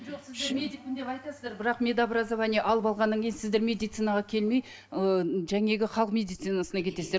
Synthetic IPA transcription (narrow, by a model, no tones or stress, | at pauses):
ʒoqsɪzd̪emeind̪epɑjt̪ɑsəzd̪ɑɾbɪɾɑqmʲe̞d̪abɾazavɑnijʔɑlˠəpɑlˠʁɑnːɑŋkʰʲe̞jnsɪzd̪e̞ɾmʲe̞d̪ijt̪sɨnɑʁɑkʲʰe̞lme̞j | əʒæŋe̞ɡʲɪχɑlˠəqmʲe̞d̪ijt̪sɨnasənɑkʲʰe̞t̪esd̪e